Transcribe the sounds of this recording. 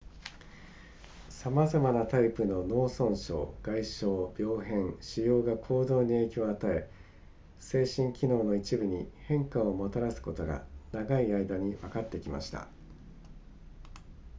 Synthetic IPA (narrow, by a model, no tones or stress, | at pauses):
samazamanat̪aipɯ̟no̞no̞ːsõ̞ɰ̃ɕo̞̰ːɡ̥aiɕo̞ːbʲjo̞ːɦẽ̞ɰɕijo̞ːɡakʰo̞ːd̪o̞ːɲ̟ie̞ːkʲo̞ːat̪ae̞ | se̞ːɕĩŋkʲino̞ːno̞it͡ɕibɯ̟ɲ̟ihẽ̞ŋkaomo̞t̪aɾasɨ̥ko̞t̪o̞ɡa̰naɡaiaid̪aɲ̟iβakat̪ːe̞kʲima̰ɕi̥t̪a̰